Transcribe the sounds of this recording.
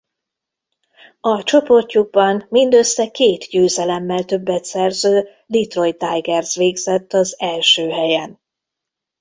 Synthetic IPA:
ɒt͡ʃo̞po̞rcuɡ̚bɒnmind̪ø̞sːɛkeːt̪ɟøːzɛlɛmːɛlt̪ø̞bːɛt̪sɛrzøː | lit̪ro̞jt̪ajɡɛrzʋeːɡz̥ɛt̪ːɒzɛlʃøːɦɛjɛn

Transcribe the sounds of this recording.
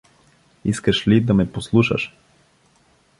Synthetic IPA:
iskaʃlid̪amɛposlˠuʃa̰ʃ

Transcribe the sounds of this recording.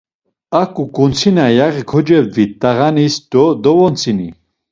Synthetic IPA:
akʼukʼunt͡sʰinajaʁikʰɔd͡ʒɛbvitt̪ʼːaʁanisd̪ɔd̪ɔvɔnt͡sʰini

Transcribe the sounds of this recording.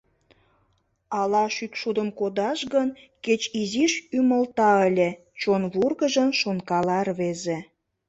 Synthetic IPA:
ɑlɑʃykʃud̪əmkod̪ɑʃɣən | ket͡ɕiziʃyməlt̪ɑəlʲe | t͡ɕonβurɣəʒəmʃonkɑlɑrβeze

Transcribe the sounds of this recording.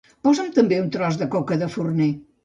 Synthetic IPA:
pɔzəmt̪əmbeunt̪ɾɔzðəkokəðəfurne

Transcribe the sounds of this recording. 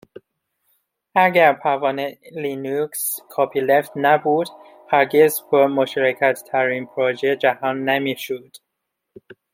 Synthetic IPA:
æɡæɾpʰævɒːnelinukskʰɒːpʰiːleft̪næbuːd̪̥ | hæɾɡezbɔmoʃɾækʰæd̪t̪ʰæɾinpʰɾod͡ʒed͡ʒæhɒːnːemiːʃod̪̥

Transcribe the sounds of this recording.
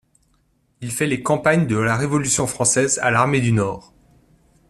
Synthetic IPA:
ilfɛlekɑ̃paɲd̪əlaʁevɔlysjɔ̃fχɑ̃sɛza̰laʁmed̪ynɔːʁ

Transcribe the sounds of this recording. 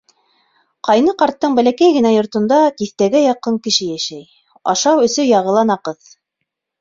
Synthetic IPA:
qɑjnɤqɑɾt̪ːɤɴbælækæjɡɘ̆næjŏɾt̪ŏnd̪ɑt̪iθt̪æɡæjɑqːɤŋkɘ̆ʃɘjæʃæj | ɑ̰ʃɑwɵ̆sɵjɑʁɤ̆lˠɑnɑqɤð

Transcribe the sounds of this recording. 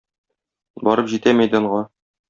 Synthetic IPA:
bɒɾɤpʑit̪æmæjd̪ɘɒɴʁɑ

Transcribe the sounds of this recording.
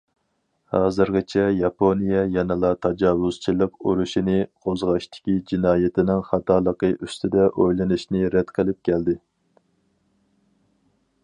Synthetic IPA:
hɑːzɨɾʁʲɪt͡ʃʰɛjɑpʰonijɛjɛnɨlˠɑt̪ʰɑd͡ʒɑːwʊz̥t͡ʃʰilˠɨqṵɾuʃinɪqʰozʁɑʃt̪ʰɪ̥kʲid͡ʒinɑːjet̪ʰɪnɪŋχɑt̪ɑːlˠəqəʔyst̪ʰɪd̪ɛʔojlˠɨnɨʃnɪɾɛd̪qʰəlˠɨp̚kʲʰɛld̪ɪ

